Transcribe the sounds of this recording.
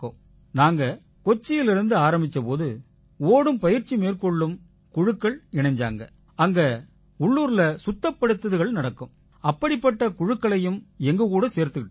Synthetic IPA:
o̰ː | naːŋɡɐ | kɔt͡ʃːɪjɪlɪɾɯnd̪ɯaːɾɐmbɪt͡ʃːɐpoːðɯ | oːɽɯmpɐjɪɾt͡ʃːimeːrkɔɭːɯm | kʊɻɯkːɐɭɪɳɐɲd͡ʒa̰ːŋɡɐ̰ | ɐŋɡɐ | ʊɭːuːɾɪlɐsʊt̪ːɐpːɐɽɯt̪ːɐðɯɣɐɭnɐɽɐkːɯm | ɐpːɐɽɪpːɐʈːɐkʊɻɯkːɐɭɐjɯmɛŋɡɐkuːɽɐseːɾt̪ɯkɪʈː

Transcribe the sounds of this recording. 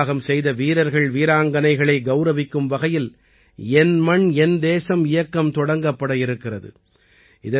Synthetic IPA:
ɣɐmsɛjðɐʋiːɾɐɾɣɐɭʋiːɾaːŋɡɐnɐɪɣɐɭɐɪɡɐʊɾɐʋɪkːɯmʋɐɣɐjɪl | ɛnmɐɳɛnd̪eːsɐmɪjɐkːɐmt̪ɔɽɐŋɡɐpːɐɽɐɪɾɯkːɪrɐðɯ̰ | ɪðɐ

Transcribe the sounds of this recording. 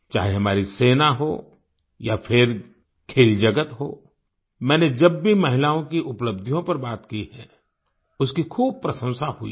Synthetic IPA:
t͡ʃa̰ːɦeɦɐmaːɾiseːnaɦo | jafʰɪɾ | kʰeːld͡ʒɐɡət̪ɦo̰ː | mɛ̃ːned͡ʒɐbːʱimɐɦɪlaːõkiʔʊpləb̚d̪ʱijõpɐɾbaːt̪kiɦɛː | ʊskikʰuːb̚pɾɐsə̃w̃sahʊḭ

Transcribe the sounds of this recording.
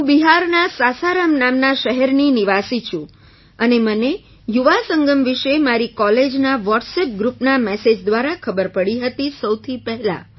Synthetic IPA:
ɦũbiɦaɾnasasaɾamnamnaʃəɦɛɾniniʋasit͡ʃʰũ | əneməne | juʋasəŋɡəmʋiʃemaɾikɔled͡ʒnaʋɔʈsep̚ɡɾupnamɛsed͡ʒd̪ʋaɾakʰəbəɾpəɽiɦət̪isəwt̪ʰipɛɦla̰

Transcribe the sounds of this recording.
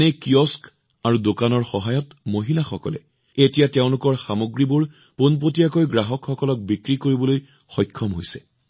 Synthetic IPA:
ɛkiɔsk | aɹudokanɔɹxɔɦajɔtmoɦilaxɔkɔ̰lɛ̰ | etijateʊ̃lʊkɔɹxamoɡɹibʊɹ | ponp̬otijakojɡɹaɦɔkxɔkɔlɔk̚bikɹikoɹibɔloj | xɔjkʰːɔmɦojsɛ̥̰

